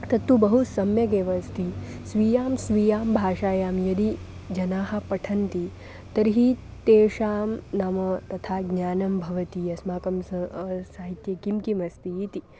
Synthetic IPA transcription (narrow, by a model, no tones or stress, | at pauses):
t̪ɐt̪ːubɐɦusɐmjɐɡeːʋɐst̪ʰisʋiːjaːmsʋijaːmbʱaːʂaːjaːmjɐd̪i | d͡ʒɐnaːɦɐ̆pɐʈʰɐnt̪i | t̪ɐɾɦit̪eːʂaːmnaːmɐt̪ɐt̪ʰaːɡnjaːnɐmbʱɐʋɐt̪iɐsmaːkɐmsaːɦit̪jɐkimkimɐst̪iit̪i